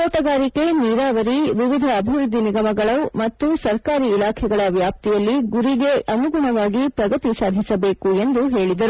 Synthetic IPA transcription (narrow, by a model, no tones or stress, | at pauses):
toːʈɐɡaːɾike̞niːɾaːʋɐɾiʋiʋid̪ʱɐːbʱiʋɾud̪ʱːiniɡɐmɐɡɐɭɐwmɐt̪ːusɐɾkaːɾiːlaːkʰɛɡɐɭɐʋjaːp̚t̪ijɐlːiɡuɾiɡe̞ʔɐmuɡuɳɐʋaːɡipɾɐɡɐt̪isaːd̪ʱisɐbe̞ːkue̞nd̪uɦe̞ːɭid̪ɐɾu